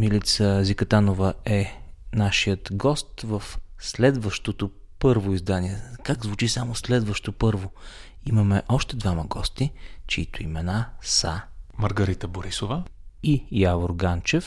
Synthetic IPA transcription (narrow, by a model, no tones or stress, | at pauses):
milit̪səzikɐt̪anovəɛnaʃijət̪ɡɔst̪vəfslɛd̪vəʃt̪ot̪o | pɤɾvoizd̪aniɛkaɡzvut͡ʃisamoslɛd̪vəʃt̪opɤɾvo | imɐmɛʔɔʃt̪ɛd̪vaməɡɔst̪it͡ʃiit̪oimɛnasəmɐɾɡɐɾit̪əboɾisovəijavoɾɡant͡ʃɛf